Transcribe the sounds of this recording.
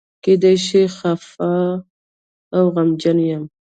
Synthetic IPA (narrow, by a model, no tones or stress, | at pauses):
ked̪ajʃixafa | wɣamd͡ʒanjam